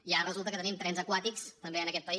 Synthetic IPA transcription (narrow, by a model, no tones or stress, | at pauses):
ijarəzulˠt̪əkət̪ənimt̪ɾɛnzəkwat̪ikst̪əmbeənəkɛt̪̚pəi